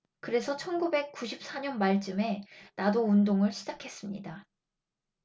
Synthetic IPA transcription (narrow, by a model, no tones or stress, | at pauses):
kɯɾe̞sʰʌt͡ɕʰʌnɡube̞k̚k͈uɕʰip̚s͈aɲʌnmaɭt͡ɕ͈ɯme̞nadoundoŋɯɭɕʰid͡ʑakʰe̞s͈ɯmɲḭda